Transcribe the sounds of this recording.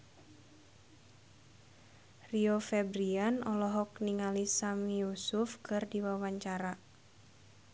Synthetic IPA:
riɔfɛbɾianɔlɔɦɔk̚niŋalisamiusufkɨrdiwawaɲt͡ʃaɾa

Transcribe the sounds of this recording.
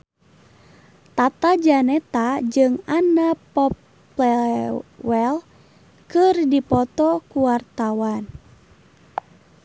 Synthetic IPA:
t̪at̪ad͡ʒanɛt̪ad͡ʒɨŋanapɔp | lɛ | wɛl | kɨrdipɔt̪ɔkuwart̪awan

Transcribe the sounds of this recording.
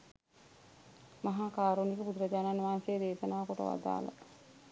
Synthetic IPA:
maɦaːkaːɾunikəpud̪uɾɐd͡ʒaːnanʋaɦːnsejːd̪eːʃɐnaːʋɐkoʈə̰ʋa̰d̪a̰ːla̰

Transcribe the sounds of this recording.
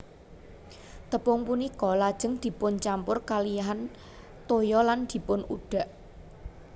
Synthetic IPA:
t̪əpʊŋpunikɔlad̥ʒ̥ə̤ŋd̪̥i̤pʊnt͡ʃampʊrkaliaɦan | t̪ojɔland̪̥i̤pʊnṵɖ̥a̤ʔ

